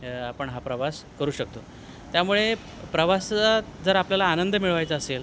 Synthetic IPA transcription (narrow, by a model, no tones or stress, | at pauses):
apəɳɦapɾəʋaskəɾuːɕək̚t̪o | t̪jamuɭe | pɾəʋasad͡zəɾapljalaːnənd̪əmiɭʋajt͡saːsel